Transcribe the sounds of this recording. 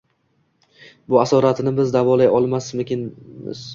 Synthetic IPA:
bʊasɒɾat̪ʰɪnɪbɪzd̪avɒlajɒlˠmasmʊkʲɪnmɪ̰z̥

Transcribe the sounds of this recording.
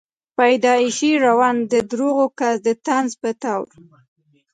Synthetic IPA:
pajd̪ɑiʃiɾawɑnd̪əd̪ɾoɣokasd̪ət̪anzpət̪awɾ

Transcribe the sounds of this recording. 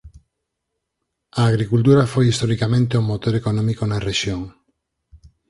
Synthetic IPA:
aːɣɾikult̪uɾafojist̪oɾikamẽnt̪eumot̪oɾekonɔ̃mikonareʃjoŋ

